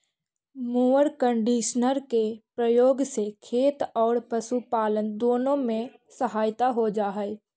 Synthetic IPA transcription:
moːəɾkə̃ɳɖiːʃnəɾkepɾəjoːɡsekʰeːt̪ɔːɾpəsupaːlənd̪oːnõmẽ | səɦaːjt̪aɦod͡ʒaːɦɛ

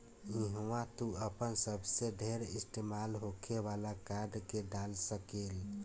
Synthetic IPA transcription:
ĩɦwãt̪uəpənsəbʱseɖʱeɾist̪emalɦokʰeβalakaɖkeɖalsəkel

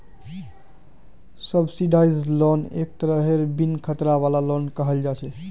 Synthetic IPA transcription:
səbsiɖaizlɔnḛk̚t̪əɾəɦeɾbinkʰət̪ɾaβalalɔnkəɦəld͡ʒat͡ʃʰɛ

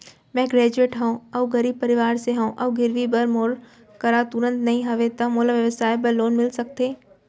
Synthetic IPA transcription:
mɛ̃ːɡɾɛːd͡ʒueːʈɦɐõɐʋɡɐɾiːb̚pɐɾɪʋaːɾseɦɐ̃õʔɐʋɡɪɾʋibɐɾmoːɽ | kɐɾat̪ʊɾə̃nt̪nɐɦĩɦɐʋet̪ɐmoːləbʋjɐʋəsaːjbɐɾloːnmɪlsɐk̚t̪eː

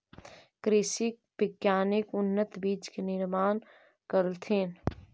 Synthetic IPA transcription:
kɾeːsɪk̚bɪkjaːnɪkʊnːət̪biːt͡ʃkenɪɾmaːn | kəɾlt̪ʰeːn

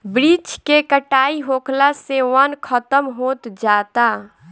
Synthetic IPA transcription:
bɾit͡ʃkekəʈaiɦokʰlaseʋənkʰət̪əmɦot̪d͡ʒat̪a

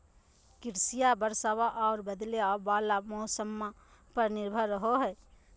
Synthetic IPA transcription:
kɪɾsijabəɾsaʋaʔɔːɾbəd̪leɔbaːlamɔːsəmːa | pəɾnɪɾbʱəɾːəɦoɦɛ

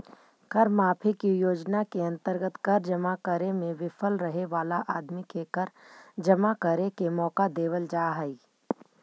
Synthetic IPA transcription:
kɐɾmaːpʰikijoːd͡ʒnakeɐ̃nt̪əɾɡət̪kɐɾd͡ʒɐmakəɾemẽʋɪfʰəlɾɐɦeʋaːlaʔaːd̪mikekəɾd͡ʒɐmakəɾekemɔːkad̪eːʋəld͡ʒaːɦəiː

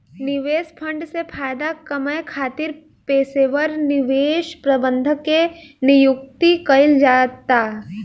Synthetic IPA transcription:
nɪʋeːspʰə̃ɳɖsepʰaːjd̪akəməjkʰaːt̪ɪɾ | peːseʋəɾnɪʋeːʃpɾɐbə̃nd̪ʱəkːenɪjʊk̚t̪ikɐɪld͡ʒaːt̪ːaː

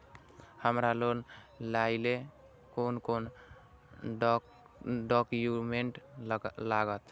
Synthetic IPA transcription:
həmɾalon | laile | konkon | ɖɔkuumeɳʈlaɡət̪

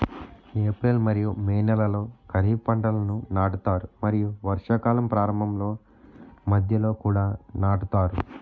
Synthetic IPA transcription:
eːpɾelmɐɾijumeːnɛlɐlo̞ːkɐɾiːpɐɳʈɐlɐnunaːʈut̪aːɾumɐɾijuʋɐɾʂɐkaːlɐmpɾaːɾɐmbʱɐmlo̞ː | mɐd̪ʱjɐlo̞ːkuːɽaːnaːʈut̪aːɾu

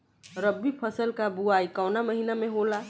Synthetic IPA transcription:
ɾəbːipʰəsəlkabuaːikɔʊnaməɦinamẽɦola

